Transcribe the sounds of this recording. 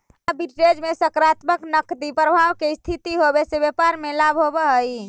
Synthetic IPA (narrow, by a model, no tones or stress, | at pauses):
abʱiʈɾed͡ʒmesəkɾat̪məknəkd̪ipɾəbʱawkest̪ʰit̪iɦobesebjepaɾmelabʱɦobəɦəj